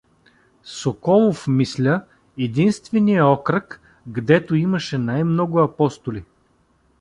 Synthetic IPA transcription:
sokɔlˠofmislʲə | ɛd̪inst̪vɛnijɐɔkɾək | ɡd̪ɛt̪oiməʃɛnajmnɔɡʊɐpɔst̪ʊli

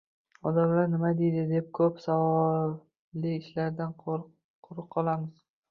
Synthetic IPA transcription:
ɒd̪amlaɾnɪmad̪ejd̪ɪd̪e̞p̚kʰɵpsavɒ | lɪɪʃlaɾd̪an | qʰʊɾɨq̚qʰːɒlˠamɪz̥

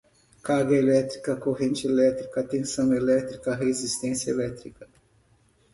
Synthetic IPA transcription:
kaɾɡɐelɛt̪ɾikɐkoɦẽnt͡ʃɪelɛt̪ɾikɐt̪ẽsɐ̃w̃elɛt̪ɾikɐɦezist̪ẽsjɐelɛt̪ɾikɐ

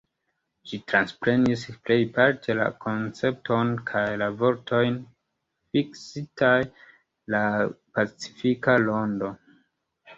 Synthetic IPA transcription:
d͡ʒitɾanspɾe̞nisple̞jpaɾtʰe̞la̰kʰo̞nt͡se̞p̚tʰo̞nkʰajlavo̞ɾtʰo̞jn | fiksitʰaj | lapat͡si̥fikalo̞ndo̞

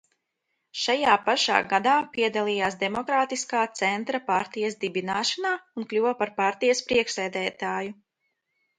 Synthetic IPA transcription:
ʃajaːpaʃa̰ːɡad̪aːpiɛd̪alˠiːjaːsd̪ɛmɔkɾaːt̪iskaːt̪sɛnt̪ɾapaɾt̪ijɐsd̪ibinaːʃanaːunklʲuwɐpaɾpaɾt̪ijɐspɾiɛkʃsɛːd̪ɛːt̪aːju

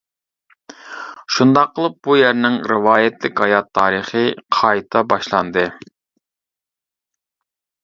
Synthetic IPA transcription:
ʃund̪ɑqːəlˠɨp̚bujæɾnɪŋɾɨwɑːjɛt̪lɪkʲhɑjɑt̪ʰːɑːɾɨχɨqʰɑjt̪ʰɑbɑʃlˠɑ̰nd̪ɨ

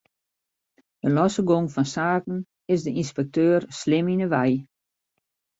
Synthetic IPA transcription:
dəlɔsəɡoŋfɔnsaːkn̩ | ɪsdəinspɛk̚tøːrslɪminəʋɛj

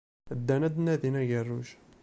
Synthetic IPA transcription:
əd̪ːænæd̪nːæd̪inæɡərːuʃ

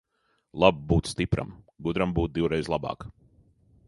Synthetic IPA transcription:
lˠab̚buːt̪sst̪ipɾa̰m | ɡud̪ɾambuːt̪̚d̪iwɾɛjzlˠabɑ̰ːk

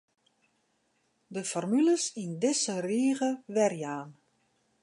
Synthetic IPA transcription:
dəfɔrmyləsindɪsəriːɣəʋɛrjaːn

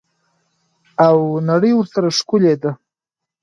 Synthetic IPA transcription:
awnaɽəjwʊɾsaɾaʂkʊled̪a

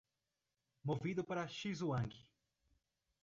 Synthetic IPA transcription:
movid̪ʊpaɾɐʃizuɐ̃ŋɡi

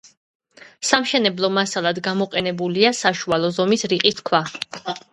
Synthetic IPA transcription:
samʃɛnɛblˠɔmasalˠad̪ɡamɔqʼɛnɛbuliasaʃualˠɔzɔmisɾiqʼist̪kʰwa

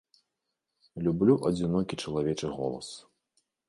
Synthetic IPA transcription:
lʲublʲuʔɐd͡zʲinɔkʲit͡ʂɐlˠavʲɛt͡ʂɨɣɔ̰lˠɐ̰s

